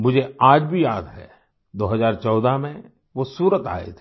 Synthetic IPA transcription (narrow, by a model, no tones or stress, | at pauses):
mʊd͡ʒʱeaːd͡ʒbʱijaːd̪ɦɛ̰ | d̪oːɦəzaːɾt͡ʃɔːd̪amẽ | ʋosuːɾət̪a̰ːḛt̪ʰe